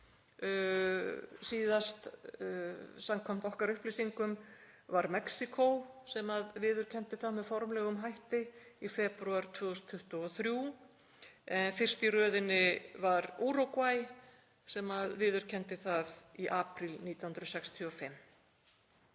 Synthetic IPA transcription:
siːðast̪ | samkʰɔm̥t̪ɔhkaɾʏhplisiŋkʏm | vaɾmɛksikʰowsɛmaðvɪːðʏɾ̥cʰɛn̥t̪ɪθaðmɛðfɔɾmlɛːɣʏmɦajht̪ɪifɛːpɾʏaɾ̥t̪ʰvʏːɔst̪ʰːʏht̪ʏɔθɾju | ɛnfɪr̥st̪irœːðɪnɪvaɾuːɾowkvaj | sɛmaðvɪːðʏɾ̥cʰɛn̥t̪ɪθaðiʔaːpɾɪlniːt̪ahnt̪ɾsɛkst̪ʰjɔfɪm

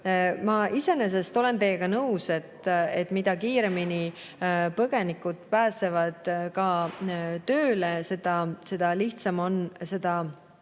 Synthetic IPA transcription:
mɑʔise̞nes̬e̞st̪o̞le̞nt̪e̞jːeɡ̥ɑnɤwset̪et̪ːˑmid̪̥ɑkiːɾe̞mini | pɤɡ̥e̞nikːˑud̪̥pæːse̞vɑd̪̥kɑ | t̪ø̞ːlese̞d̪̥ɑse̞d̪̥ɑliht̪sɑmo̞nse̞d̪̥ɑ

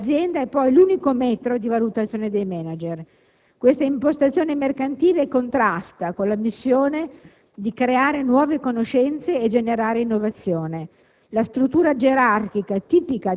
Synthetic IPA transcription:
zːjɛnd̪aɛpːɔjluːnikomɛt̪ɾod̪ivalut̪at̪sːjoːned̪ejmɛnad͡ʒer | kwest̪aimpost̪at̪sːjoːnemerkant̪iːlekont̪ɾast̪akonlamisːjoːne | d̪ikɾeaːɾenwɔːvekonoʃɛnt̪seːd͡ʒeneɾaːɾeinːovat̪sːjoːne | last̪ɾut̪ːuːɾad͡ʒeɾark̟ikat̪iːpika

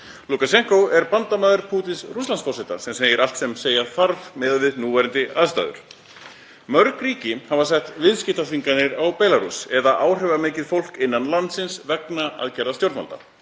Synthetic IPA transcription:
lukasɛŋ̥kowɛɾpant̪amaːðɪɾpʰuːt̪ɪnsrust̪lansfɔrsɛt̪a̰sɛmseːjɪɾal̥t̪sɛmseːjaθaɾvmɛðvɪðnuːvɛɾɪnt̪ɪaðst̪a̰ːðʏ̰ɾ̥ | mœɾkɾiːcɪhavasɛht̪vɪðscɪht̪aθiŋkanːɪɾawpɛːlaɾṵsɛðaʔaːwr̥ɛvamɪːcɪðfowl̥kɪnːanlant̪sɪnsvɛknaa̰ðcɛɾðast̪jowɾt̪ma̰lt̪a̰

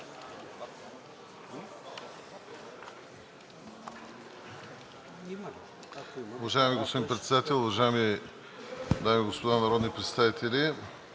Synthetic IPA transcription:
uvɐʒaɛmiɡospod̪inpɾɛt̪sɛd̪at̪ɛlˠʊvɐʒaɛmi | d̪amiɡospod̪anɐɾɔd̪nipɾɛt̪st̪avit̪ɛli

